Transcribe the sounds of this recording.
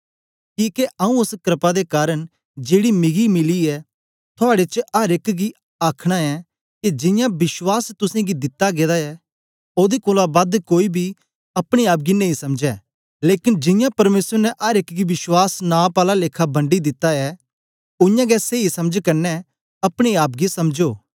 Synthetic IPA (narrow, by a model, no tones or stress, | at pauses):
kiːkeʔɐũʊskɾɪpad̪ekaːɾəɽ | d͡ʒeːɽimɪɡimɪliɛː | t̪ʰʊaːɽet͡ʃʔɐɾɪkɡi | aːkʰɽ̃aɛ | kid͡ʒɪ̃jãbɪswaːst̪ʊsẽɡid̪ɪt̪ːaɡeːd̪aɛ | oːd̪ikoːlabɐd̪koːibʱi | ɐpɽ̃eaːp̬̚ɡinɐɦĩsɐmd͡ʒɛː | leːkɪnd͡ʒɪ̃jãpɐɾmeːsəɾnɛʔɐɾɪkɡiʋɪʃwaːsnaːpaːlaleːkʰabɐ̃ɳɖid̪ɪt̪ːaɛː | ʊjãːɡɛseːisɐməd͡ʒkɐɾnɛ | ɐpɽ̃eaːp̚ɡisɐmd͡ʒoː